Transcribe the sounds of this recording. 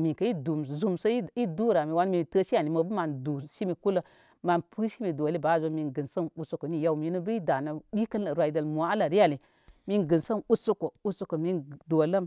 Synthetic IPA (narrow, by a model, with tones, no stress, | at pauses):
mi˨kə˨˦i˦du˨m˨zu˦msə˦i˦du˦˨ɾa˨mi˨wa˧˦nmi˨tə˦ʃi˦a˨ni˨mə˨bə˦ma˨ndu˨ʃi˦mi˨ku˦lə˦ | ma˨npʰɨ˦ʃi˦mi˨do˨li˦ba˨˦˨zo˧˦mi˧nɡɨ˨nsə˦nu˦su˦ko˨˦ni˦˨ja˦wmi˨˦nu˦bə˦i˦da˨nə˨ɗi˦kə˦lɾʷwa˨i˨də˨lmu˨a˨a˦la˨ɾi˦a˦˨li˨ | mi˧nɡɨ˨nsə˦nu˦su˦ko˨u˦su˦ko˨mi˧ndo˨lə˦m